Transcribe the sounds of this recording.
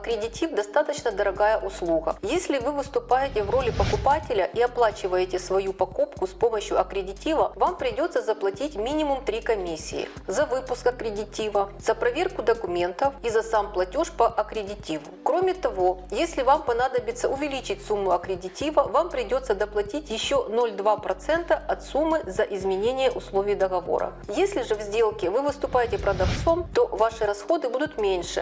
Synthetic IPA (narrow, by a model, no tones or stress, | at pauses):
ɐkɾʲɪdʲɪtʲifd̪ɐst̪at̪ət͡ɕnəd̪əɾɐɡajəʔʊslˠuɣə̰jesʲlʲɪvɨvɨst̪ʊpajɪtʲɪvro̞lʲɪpɐkʊpatʲɪlʲɐʔiɐplˠat͡ɕɪvəjɪtʲɪsvɐjupɐkupkʊspo̞məɕjʊɐkɾʲɪdʲɪtʲivɐvampɾʲɪdʲo̞t̪səzɐplˠɐtʲitʲmʲinʲɪmʊmt̪ɾʲikɐmʲisʲːɪ̰ɪ̰ | zɐvɨpʊskɐkɾʲɪdʲɪtʲivɐzɐpɾɐvʲe̞rkʊd̪əkʊmʲe̞nt̪əfizɐsamplˠɐtʲoʂpɐʔɐkɾʲɪdʲɪtʲivʊkɾomʲɪt̪ɐvo̞jesʲlʲɪvampɐnad̪əbʲɪt̪sə̰ʊvʲɪlʲit͡ɕɪtʲsumːʊɐkɾʲɪdʲɪtʲivəvampɾʲɪdʲo̞t̪səd̪ɐplˠɐtʲitʲjɪɕːonolʲd̪vapɾɐt̪sɛnt̪əɐt̪sumːɨzɐʔɪzmʲɪnʲenʲɪjəʔʊslˠovʲɪjd̪əɣɐvo̞̰ɾə̰jesʲlʲɪʐɨvzʲdʲelˠkʲɪvɨvɨst̪ʊpajɪtʲɪpɾɐd̪ɐft̪so̞mt̪o̞vaʂɨɾɐsxo̞d̪ɨbud̪ʊt̪mʲenʲʂɨ̰